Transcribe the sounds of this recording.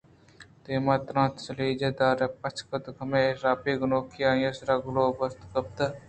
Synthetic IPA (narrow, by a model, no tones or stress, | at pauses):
t̪eːmaːt̪ɾãːt̪sɐliːd͡ʒed̪aːɾepɐt͡ʃʰkɐt̪ɡɐmeɾaːpiːɡʊnoːkiaːjɐsɾɐɡʊloːbɐst̪kɐb̚t̪ɐ